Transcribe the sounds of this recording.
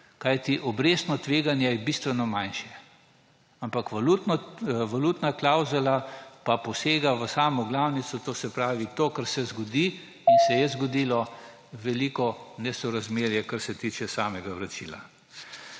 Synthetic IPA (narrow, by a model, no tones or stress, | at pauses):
kajt̪iʔɔbɾeːst̪nɔt̪ʋeːɡanjɛjɛbist̪ʋɛnɔmajnʃjɛ | ampakʋalut̪nɔʋalut̪naklawzulapapɔseːɡaʋəsaːmɔɡlawnit̪sɔt̪oːsɛpɾaːʋit̪oːkaɾsɛzɡɔd̪i | insɛjɛzɡɔd̪iːlɔ | ʋɛlikɔnɛsɔɾazmeːɾjɛkaɾsɛt̪it͡ʃɛsaːmɛɡaʋɾat͡ʃḭːla̰